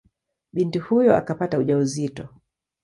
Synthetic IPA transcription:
ɓintihujɔa̰kapatauʄauzitɔ

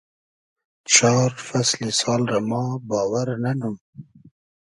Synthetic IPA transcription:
t͡ʃʰɑːɾfaslisɑːlɾamɑːbɑːwaɾnanum

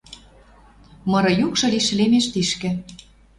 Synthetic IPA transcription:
mɤ̆ɾɤ̆jukʃɤ̆liʃlemeʃt̪iʃkɘ̆

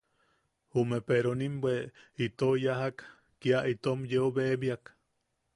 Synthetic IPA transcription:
humepeɾonimbweit̪ojaɦakː | iaʔit̪omjeobebiak

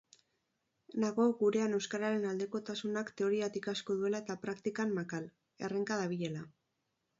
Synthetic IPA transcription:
naɣo̞ɣuɾe̞ane̞wskaɾaɾe̞nald̪e̞ko̞t̪asunakt̪e̞o̞ɾiat̪ikasko̞ðue̞laet̪apɾakt̪ikanmakal | e̞reŋkað̞aβ̞iʎe̞la

